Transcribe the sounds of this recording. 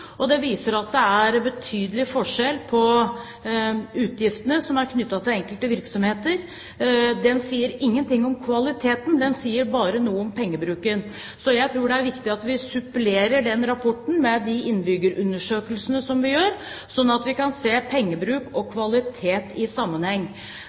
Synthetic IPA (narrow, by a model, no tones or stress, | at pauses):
ɔd̪ɛʋiːsəɾɑt̪̚d̪ɛæɾbət̪ʰyːd̪əlɪfɔʂɛlːpʰɔ | ʉːt̪jɪft̪ənəsɔmæɾkʰnʏt̪ːɑt̪ʰɪlɛŋkəlt̪əʋɪɾksɔmheːt̪əɾ | d̪ɛnsiːəɾɪŋːənt̪ɪŋːɔmkʰʋɑlɪt̪ʰeːt̪nd̪ɛnsiːəɾbɑːɾənuːəɔmpʰɛŋːəbɾʉːkən | sɔjæɪt̪ʰɾuːɖɛæɾʋɪkt̪ɪɑt̪ʋɪsʉpleːɾəɖɛnɾɑpʰɔʈːɳ̩mɛd̪ɪʔɪnːbʏɡəɾʔʉnːəʂøːkəlsənəsɔmʋɪjøːɾ | sɔnːɑt̪ʋɪkɑnseːpʰɛŋːəbɾʉːkɔkʰʋɑlɪt̪ʰeːt̪ɪsɑmːənhɛŋː